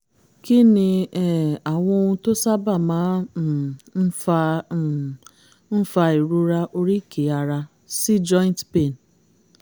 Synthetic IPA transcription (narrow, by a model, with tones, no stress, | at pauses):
ki˦nĩ˧ɛ˦˨a˨w̃ɔ̃˧o˧ũ˧to˦sa˦ba˦˨mãː˨˦˨ | n̩˦ | n̩˦fa˧i˨ɾu˦ɾa˧ʔo˧ɾi˦˨kʰe˨˦a˨ɾa˧ | si˦d͡ʒɔ˦ĩ˦ntpe˦˨n